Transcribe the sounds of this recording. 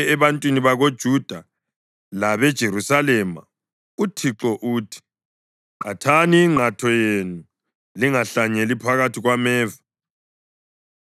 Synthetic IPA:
ɛβantʼwiniβaɣod̥ʒ̥ʱud̥ʱa | laβɛd̥ʒ̥ʱeɾusalɛma̰ | utʰiǁɔʔutʰi̥ | ǃatʰaniːŋ͡ǃʱatʰɔjenu | liŋaɬaɲelipʰaɣatʰiɣwamɛːva

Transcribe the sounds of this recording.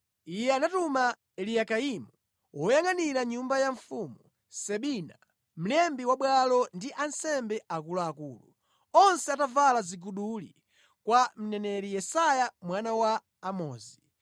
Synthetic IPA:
ijɛanatuma | ɛlijakaimu | wʔɔjaŋaniɾaɲumbajaɱfumu | sɛɓina | m̩lɛmbiwaɓwalɔndiʔansɛmbɛʔak̬ulaːkuːlṵ | ɔnsɛatavalaziɡuɗulḭ | kwam̩nɛnɛlijɛsajamwanawaː | mɔːzi

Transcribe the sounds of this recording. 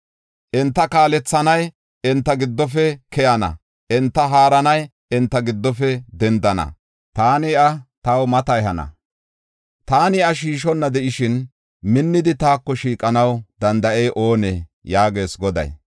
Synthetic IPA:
ʔɛnt̪ːɐkaːlɛt͡sːɐnɐj | ɛnt̪ːɐɡɪd̪ːɔfɛkɛjɐnɐ̰ | ʔɛnt̪ːɐɦaːɾɐnɐj | ɛnt̪ːɐɡɪd̪ːɔfɛd̪ɛnd̪ɐnɐ̰ | t̪aːnɪɐt̪ɐwmɐt̪ɐjɦɐnɐ̰ | t̪aːnɪɐʃiːʃɔnːɐd̪ɛʔɪʃɪn | mɪnːɪd̪ɪt̪aːkːɔʃiːkʼɐnɐwd̪ɐnd̪ɐʔejʔo̞ːnɛjaːɡe̞ːsɡɔd̪ɐ̰j

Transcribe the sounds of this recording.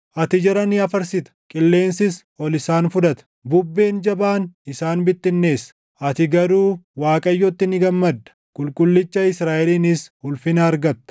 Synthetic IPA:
ʔɐt̪ɪd͡ʒɐɾɐnɪɐfɐɾsɪt̪ɐ̥kʼɪlːe̞ːnsɪsʔɔlɪsaːnfʊd̪ɐt̪ɐ̥bʊbːe̞ːnd͡ʒɐbaːnɪsaːnbɪt̪ːɪnːe̞ːsɐ̥ | ʔɐt̪ɪɡɐɾuːwaːkʼɐjːɔt̪ːɪnɪɡɐmːɐd̪ːɐ̥ | kʼʊlkʼʊlːɪt͡ʃːɐɪsɾaːʔɛliːnɪshʊlfɪnɐːɾɡɐt̪ːɐ̥

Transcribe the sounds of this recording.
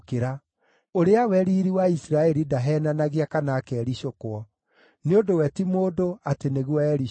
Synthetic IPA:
keɾa | oɾeawɛɾiːɾiwaisɾaɛɾidaɦɛːnanaɣeakanaːkɛːɾiɕokwɔ | neondowɛtimoːdoateneɣwɔɛɾi

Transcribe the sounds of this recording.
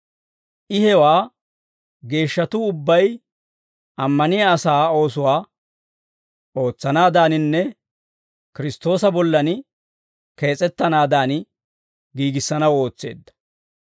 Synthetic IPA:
ʔɪhɛwaː | ɡe̞ːʃːɐt̪ʊʊbːɐj | ʔɐmːɐnɪjaːsaːo̞ːsʊwaː | o̞ːt͡sːɐnaːd̪aːnɪnːɛ | kɪɾɪst̪o̞ːsɐbɔlːɐn | ke̞ːt͡sʼɛt̪ːɐnaːd̪aːn | ɡiːɡɪsːɐnɐwo̞ːt͡sːe̞̰ːd̪ːɐ̥

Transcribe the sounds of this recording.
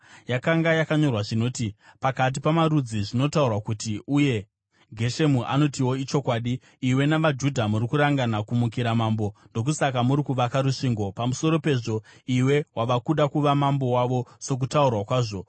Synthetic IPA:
jakaŋɡajakaɲo̞rwaʐino̞ːtipakat̬ipamaɾud͡ziʐino̞taurwakutiuje̞ | ɡʱe̞ʃe̞muʔa̰no̞tiwo̞it͡ʃo̞kwaːɗiː | we̞naʋad͡ʒudʱamuɾikuɾaŋɡanakumuk̬iɾamaːmbo̞ndo̞k̬usakamuɾikuʋakaɾuʂiːŋɡo̞pamuso̞ɾo̞pe̞ːʐo̞iwe̞wʔaʋakuɗakuʋamambo̞waʋo̞so̞k̬utaurwakwaːʐo̞

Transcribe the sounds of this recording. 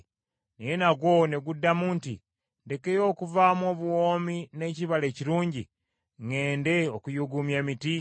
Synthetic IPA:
nejenaɡwo̞neɡudːamuːntḭ | nde̞ke̞jo̞ːkuvaːmo̞ːβuwoːmine̞ciβale̞ːciɾuːɲɟḭ | ŋe̞ːnde̞okujuɡumjemiti

